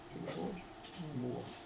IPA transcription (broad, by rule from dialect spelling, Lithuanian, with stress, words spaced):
tʲɪk ˈʒoːd͡ʒʲʊ ˈbuːʋoː